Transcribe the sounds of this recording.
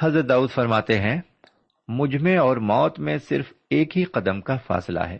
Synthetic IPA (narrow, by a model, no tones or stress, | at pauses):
ɦɐzɾət̪̚d̪aːuːd̪fɐɾmaːt̪ẽɦɛ̃ | mʊd͡ʒʱmẽɔːɾmɔːt̪mẽsɪ̰ɾf | eːkɦiqɐd̪əmkafa̰ːsla̰ɦɛ̰ː